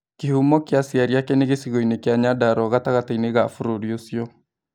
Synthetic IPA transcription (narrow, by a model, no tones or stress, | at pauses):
kehumɔkjasjaɾjakɛneɣesiɣoinekjaɲadaɾɔɣataɣataineɣafuɾoɾjosjɔ